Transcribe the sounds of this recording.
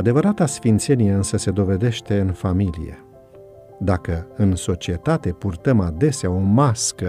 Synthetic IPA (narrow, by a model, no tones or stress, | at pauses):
ad̪e̞vəɾat̪asfint̪se̞nijeɨnsəse̞d̪o̞ve̞d̪e̞ʃt̪e̞ɨnfamilḭje̞̰ | d̪akəɨnso̞t͡ʃiet̪at̪e̞purt̪əmad̪e̞seao̞maskə